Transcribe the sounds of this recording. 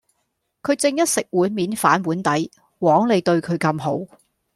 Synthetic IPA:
kʰɵ˨˧ɥt͡sɪ˧ŋjɐ˥t̚sɪ˨k̚wuː˨˥nmiː˨˥nfaː˨˥nwuː˨˥nt̪ɐ˨˥j | wɔː˨˥ŋle˨˧jt̪ɵ˧ɥkʰɵ˨˧ɥkɐ˧mɦo˨˥w

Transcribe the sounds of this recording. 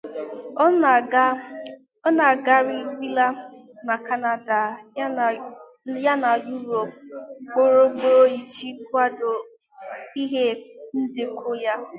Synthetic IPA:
ɔ˦na˨ɡa˦ɾi˦bi˦la˦ | na˨ka˦na˦da˨˦˨ | ja˦na˨ju˦ɾo˨p̚k͡po˦ɾo˦ɡ͡bo˦o˦i˨t͡ʃi˦kʷa˦do˨ | i˦ɦe˦n̩˦dɪ˦kʰo˦ja˦

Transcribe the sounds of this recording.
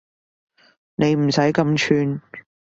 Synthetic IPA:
ne˨˧jm̩˨˩sɐ˨˥jkɐ˧mt͡ʃʰyː˧n

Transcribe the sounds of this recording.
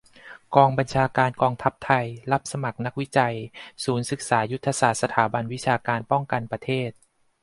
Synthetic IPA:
kɔː˧ŋba˧nt͡ɕʰaː˧kaː˧nkɔː˧ŋt̪ʰa˦˥p̚t̪ʰa˧jla˦˥p̚sa˧ma˨˩k̚na˦˥k̚wi˦˥t͡ɕa˧jsuː˩˦nsɯ˨˩k̚saː˩˦ju˦˥t̪ʰːa˧saː˨˩t̪̚sa˧t̪ʰaː˩˦ba˧nwi˦˥t͡ɕʰaː˧kaː˧npɔ˥˩ŋka˧npɾa˧t̪ʰeː˥˩t̪̚

